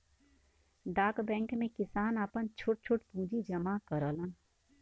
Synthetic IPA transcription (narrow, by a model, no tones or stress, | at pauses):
d̪aːkbɛ̃ːŋkmẽkɪsaːnaːpənt͡ʃʰʊʈ̚t͡ʃʰʊʈpũːd͡ʒid͡ʒəmakəɾəːlãn